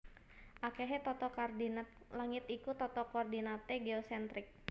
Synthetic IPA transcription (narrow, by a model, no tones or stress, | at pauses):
ʔakeɦɛt̪ɔt̪ɔkardin | laŋɪt̪ikut̪ɔt̪ɔkoːrdinat̪ɛɡeɔsɛnt̪ɾɪk̚